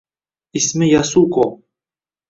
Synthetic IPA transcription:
isʲmɘjasuko

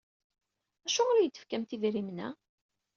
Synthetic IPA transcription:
æʃʊʁoɾæjəd̪ːə̥fkæmt̪ivɾimnæ̰

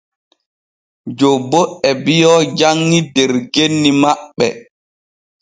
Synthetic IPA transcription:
d͡ʒobːɔʔɛbijɔd͡ʒaŋːidɛɾɡenːimaɓːɛ̰

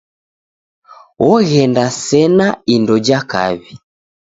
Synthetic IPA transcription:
wɔɣɛndasɛnaindɔd͡ʒaka̰βi

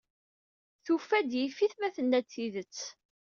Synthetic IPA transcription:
θufːæd̪jifːiθmæθənːæt͡sːiðət͡sː

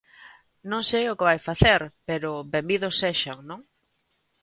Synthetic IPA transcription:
nõŋsejʊkɪβajfaθeɾpeɾʊbembiðʊsːeʃaŋnõŋ

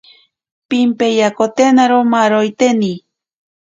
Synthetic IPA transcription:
pimpejakot̪enaɾomaɾojt̪eni

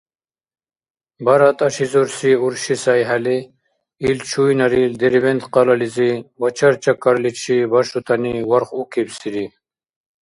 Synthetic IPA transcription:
baɾat̪ɐʃizoɾsiuɾʃisajɦali | ilt͡ʃʰujnɐɾild̪eɾibent̪qɑlalizibat͡ʃʰaɾt͡ʃakaɾlit͡ʃʰibaʃut̪aniwaɾχukʰebsiɾi

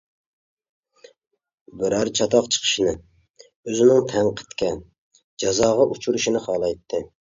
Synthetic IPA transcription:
bɪɾæɾt͡ʃʰɑt̪ɑqt͡ʃʰə̥qʰə̥ʃinɪ | øzɪnɪŋt̪ʰæŋqʰə̥t̪kʲʰɛ | d͡ʒɑzɑːʁɑʔut͡ʃʰuɾuʃinɪχɑːlˠɑjt̪ʰːɨ

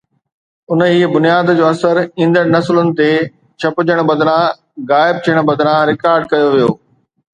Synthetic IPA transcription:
ʊniːbʊnijaːd̪d͡ʑoːɐsəɾĩːnd̪əɽ̃nɐslʊnɪ̆t̪e | t͡ɕʰɐpʊd͡ʑəɽ̃bɐd̪ɽã | ɣaːɪb̚t̪ʰijəɽ̃bɐd̪ɾãɾɪkaːɾɖkɐjoʋijoː

